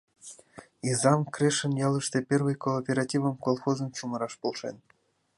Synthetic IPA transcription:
izɑnkreʃə̆njɑlˠɨʃt̪epʲervɨjkoːpʲeɾɑtʲivə̆mkolˠxozɤ̆mʃumɤ̆ɾɑʃpolˠʃḛn

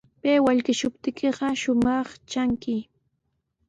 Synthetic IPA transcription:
peːwaʎkɪʃʊpt̪ɪkʰɪɢɑʃʊmɑχt͡ʃaŋkɪ

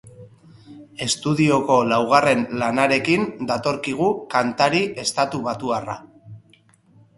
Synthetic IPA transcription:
e̞st̪uðio̞ko̞lawɣ̞are̞nlanaɾe̞kind̪at̪o̞ɾkiɣ̞ukant̪aɾiʔe̞st̪at̪uβat̪uara̰

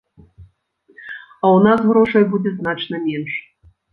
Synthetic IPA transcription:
aunasɣɾoʂɐjbudʲɛznat͡ʃnɐmʲenʂ

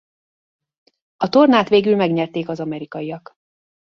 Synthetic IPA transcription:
ɒt̪o̞rnaːt̪ʋeːɡylmɛɡɲɛrt̪eːkɒzɒmɛɾikɒijɒk

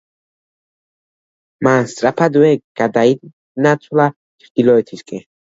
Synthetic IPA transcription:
manst̪ʼɾapʰad̪wɛɡ̥ad̪aid̪ | nat̪sʰwla | t͡ʃʰɾd̪̥ilɔɛt̪ʰiskʼɛ

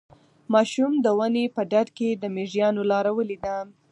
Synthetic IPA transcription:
mɑʃumd̪əwənepəɖaɖked̪əmeʐijɑnolɑɾawəlid̪a

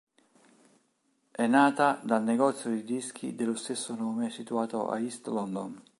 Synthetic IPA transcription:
ɛnːaːt̪ad̪alneɡɔt̪sjod̪id̪isk̟ʰḭd̪elːost̪esːonoːmesit̪uaːt̪oʔa̰ist̪lɔnd̪on

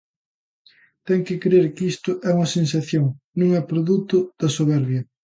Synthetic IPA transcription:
t̪ɛŋkɪkɾeɾkist̪ʊʔɛuŋɐsẽnsɐθjoŋ | nõŋɛpɾoðut̪ʊð̥ɐsoβɛɾβjɐ

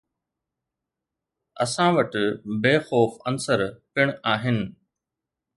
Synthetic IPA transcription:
ɐ̰sãʋɐʈbeːxoːfɐnsəɾpɪɽ̃aːɦɪnɪ̆

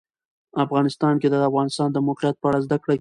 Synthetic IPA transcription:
afɣɑnɪst̪ɑnked̪əafɣɑnɪst̪ɑnd̪əmʊqijat̪̚pəaɽazd̪akɽa

